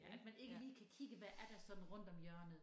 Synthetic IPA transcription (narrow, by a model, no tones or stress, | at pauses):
mæne̝ɡ̥əliːkʰækʰiɡ̥əʋæʔæɐd̥ɑsɒ̽d̥n̩ʁɔ̽n̰d̥ɒ̽mjœɐ̰nð̩ˠ